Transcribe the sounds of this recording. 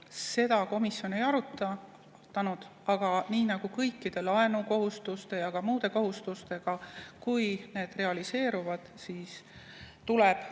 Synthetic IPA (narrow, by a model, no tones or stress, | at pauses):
se̞d̪̥ɑko̞misjo̞ne̞jɑɾut̪ːˑɑ | t̪ːˑɑnud̪̥ɑɡ̥ɑniːnɑɡ̥ukɤjkːid̪̥e̞lɑe̞nuko̞ɦust̪ust̪e̞jɑɡ̥ɑmuːd̪̥e̞ko̞ɦust̪ust̪e̞ɡ̥ɑkujne̞ːd̪̥re̞ɑlise̞ːɾuvɑd̪̥siːs | t̪uleb̥